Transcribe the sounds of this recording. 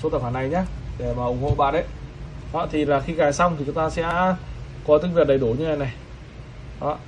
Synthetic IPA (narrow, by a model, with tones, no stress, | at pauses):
so˨˦t̪ə˨˩haː˨˩na˨˩jɲaː˨˦ɗe˧˩maː˨˩ʔʊ˨˩˦ŋ͡mho̰˧˨ɓa̰ː˧˨nʔə˨˦j | hɔ̰˧˥t̪ʰi˨˩laː˨˩xi˧ɣaː˨˩jsa˧wŋ͡mt̪ʰi˨˩t͡ɕʊ˨˦ŋ͡mt̪aː˧sɛ̰˧˥ | kɔ˨˦t̪ɨ˧˦˥k̚vi˨˩ət̚ɗə˨˩jɗu˧˩ɲɨ˧a˨˧˩jna˨˩j | ɗɔ̰˧˦˨